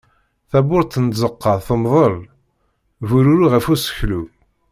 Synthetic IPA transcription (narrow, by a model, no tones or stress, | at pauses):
θæbʊɾt̪ːənzəqːɑθəmðˤəl | vuɾuɾuʁəfusə̥çlu